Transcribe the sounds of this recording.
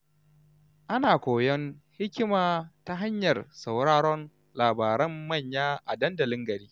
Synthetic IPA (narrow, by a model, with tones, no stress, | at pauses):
ʔa˦naː˨kʷoː˨jɔ˦nhɪ˦kʲɪ˦maː˨ta˦ɦa˦ɲjɐ˨rsa˨wɾaː˦ɽɔ˦n | laː˨baː˨ɾɐ˦mːɐ˦˨ɲjaː˦ʔa̰˨dɐ˦ndɐ˨lɪ˦ŋɡɐ˨ɾiː˦